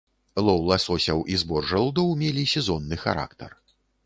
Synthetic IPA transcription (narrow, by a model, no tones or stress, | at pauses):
lˠɔwlˠɐsɔsʲɐwʔizbɔrʐɐlˠd̪ɔwmʲelʲisʲɛzɔnːɨxa̰ɾa̰kt̪ɐ̰r